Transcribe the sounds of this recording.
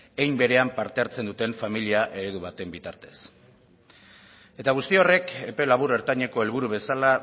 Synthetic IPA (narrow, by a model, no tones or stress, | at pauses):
ejmbe̞ɾe̞ampaɾt̪e̞aɾt͡se̞nd̪ut̪e̞ɱfamiliaʔe̞ɾe̞ðuβ̞at̪e̞mbit̪aɾt̪e̞̥s | e̞t̪aɣust̪io̞re̞ke̞pe̞laβ̞uɾe̞ɾt̪aɲe̞ko̞e̞lβ̞uɾuβe̞sala